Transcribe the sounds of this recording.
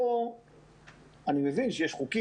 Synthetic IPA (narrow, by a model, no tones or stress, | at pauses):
o | animevinʃejeʃχuki